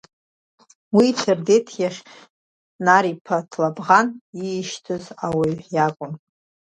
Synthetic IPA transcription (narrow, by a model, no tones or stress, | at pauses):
wit͡sʰɨrdetʰjaʂ | naɾipʰatʰlabʁaniʃtʰɨzawaɥjakʷʼʊn